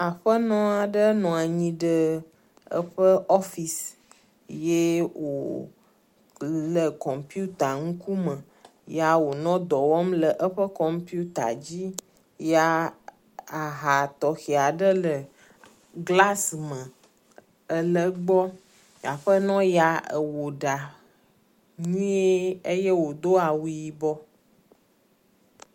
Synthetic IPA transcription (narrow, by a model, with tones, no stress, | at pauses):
a˨ɸə˦nɔ̃˦a˨ɖə˦nɔ̃˨a˨ɲĩ˦ɖə˦ | ə̰˦ɸə˦ɔ˦fi˨s | je˦wo˨ | lə˨kɔ˨mpju˦t̪a˨ŋũ˦ku˦mə̃˨ | ja˦wo˨nɔ̃˦d̪ɔ˨wɔ˦mlə˨ʔə˦ɸə˦kɔ˨mpi˦u˦t̪a̰˨d͡ʑi˦ | ja˦ | a˨ɦa˨t̪ɔ˨xi˨a˨ɖə˦lə˨ | ɡla˦smə̃˨ | ə˨lə˨ɡ͡bɔ˦ | ja˨ɸə˦nɔ̃˦ja˨ə˨wo˨ɖa˨ | ɲĩ˦e˦ə˦jɛ˦wo˨d̪o˦a˨wu˦ji˦bɔ˦